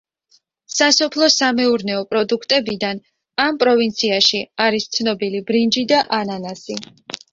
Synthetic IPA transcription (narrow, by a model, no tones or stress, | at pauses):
sasɔpʰlˠɔsamɛuɾnɛɔpʼɾɔd̪ukʰt̪ʼɛbid̪an | ampʼɾɔvint̪sʰiaʃiaɾist̪sʰnɔbilibɾind͡ʒid̪aʔananasi